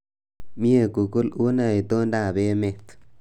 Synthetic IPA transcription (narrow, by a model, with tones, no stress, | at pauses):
mi˦e˦˨ku˨kʊ˦lu˦na˦˨i˨t̪o˦nda˦˨be˦me˦˨t̪